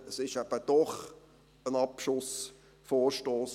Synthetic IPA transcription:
əsɪʃæb̥əd̥ɔχ | ənɑpʃʊs | foːɾʃtoːs

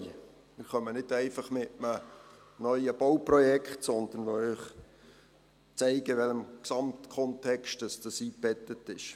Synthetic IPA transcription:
mɪɾχœmənɪdɛɪfɑχmɪʔmə | nœʏəb̥ɔwprɔjɛkχtsɔnd̪ənʋoœːχ | t͡sɛɪɡ̥əʋɛləmksɑmtkʰɔntʰɛkʃtd̥əsd̥ɑsiːb̥ɛtətɪʃ

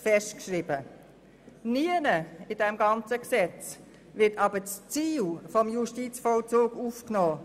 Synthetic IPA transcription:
fɛʃtkʃɾibə | niənəɪd̥ɛmɡɑnt͡səksɛt͡s | vɪtɑbət͡st͡siːlfɔmjuʃtit͡sfɔlt͡suːɡufknoː

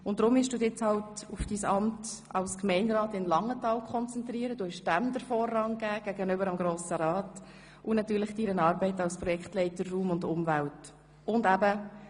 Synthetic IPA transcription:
ʊn̚d̥ɾʊmɪʃd̥uːdɪt͡shɑltʊfd̥iːsɑmt | ɑlskmɛɪnɾɑːtɪnlɑŋətɑːlkχɔnt͡sɛnt̪ɾiːəɾəd̥uhɛʃd̥æmd̥̪əɾfɔːrːɑŋɡ̥æːɡ̥æɡənʏbəɾəmɡɾoːsəɾɑːt | ʊnɑtyːɾlɪχd̥iɾənɑːɾbɛɪtɑlspɾɔjɛktlɛɪtəɾːuːmʊndʊmvælt | ʊndæbə

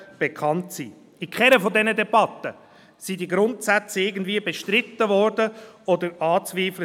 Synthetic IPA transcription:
b̥ekʰχɑntsiː | ikʰχɛɾəfodɛnədebɑt̪ːə | sidiɡɾʊntsæt͡səɪɡən̩dviːəbeʃtɾɪt̪ːəvɔɾdəɔd̪əɾɑːt͡sviːflə

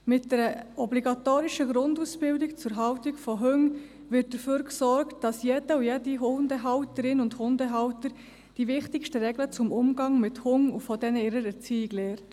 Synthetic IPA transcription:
mɪt̚d̥ɛɾəɔbliɡɑtoːɾiʃəɡɾʊndusb̥ɪldɪkt͡sʊɾɦɑwtɪɡfɔɦʏŋ | ʋɪt̚d̥əføːɾksɔɾktd̥ɑsjɛdəujɛdiɦʊndəɦɑwtəɾɪnʊndhʊndəɦɑwtəɾ | d̥iʋɪχtɪkʃtəɾɛɡlət͡sʊmʊmɡɑŋmɪthʊŋufɔdɛnəɪɾəɾɛɾt͡siːɪɡlɛːɾt

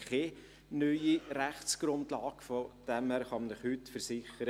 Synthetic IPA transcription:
kʰe | nœʏiɾæχt͡sɡ̥ɾʊndlɑːɡ̥fod̥ɛmhæːɾχɑmnəχhʏtːfəɾsɪχəɾə

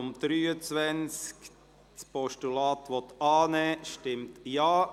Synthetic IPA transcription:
ʊmd̪̥ɾyːət͡svɛnt͡sk | spʰɔʃtulɑːt̪ʋɔt̪ɑːnɛːʃtɪmtjɑː

